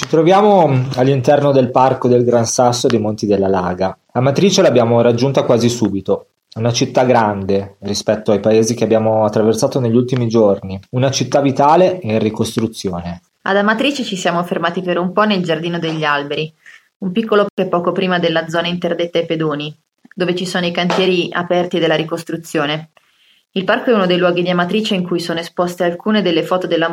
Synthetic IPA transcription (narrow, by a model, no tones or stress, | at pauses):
t͡ʃit̪ɾovjaːmoalːint̪ɛrnod̪elparkod̪elɡɾansasːod̪ejmont̪id̪elːalaːɡalamat̪ɾiːt͡ʃelabjaːmoɾad͡ʒːunt̪akwaːzisuːbit̪o | unat͡ʃit̪ːaɡɾand̪erispɛt̪ːoajpaeːzik̟eabːjaːmoat̪ːɾaversaːt̪oneʎːult̪imid͡ʒorniunat͡ʃit̪ːavit̪aːleɛrːikost̪ɾut̪sːjoːne | a̰d̪amat̪ɾiːt͡ʃet͡ʃisjaːmofermaːt̪ipeɾumpɔneld͡ʒard̪iːnod̪eʎːialbeɾi | umpikːolokɛpːɔːkopɾiːmad̪elːad̪zɔːnaint̪erd̪et̪ːaeped̪oːni | d̪oːvet͡ʃisoːnoikant̪jɛːɾia̰pɛrt̪id̪elːaɾikost̪ɾut̪sːjoːne | ilparkoɛunod̪ejlwɔːɡid̪iamat̪ɾiːt͡ʃeiŋkujsoːnoespost̪ealkuːned̪elːefɔːt̪od̪elːa